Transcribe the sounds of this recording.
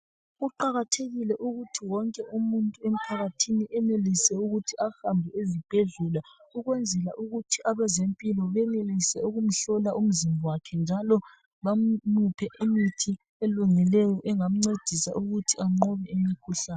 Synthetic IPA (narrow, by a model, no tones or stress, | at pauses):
ɣuǃaɣatʰeɣilɛʔuɣutʰiwɔŋkʼɛumuntʼuem̩pʰaɣatʰiniʔɛnelisɛuɣutʰiahambʱɛezib̥ʱeɮulauɣwɛnd͡zʱɛlaʔuɣutʰiʔaβazempʼilɔβɛnelisɛuɣum̩ɬɔlaʔum̩zimʱɔwakʰɛnd͡ʒʱalɔ | βam̩nupʰɛʔimitʰi | eluŋilɛjɔʔɛŋam̩ŋ͡ǀed̥ʱisa̰ʔuɣutʰiaŋ͡ǃɔβɛemikʰuɬaːnn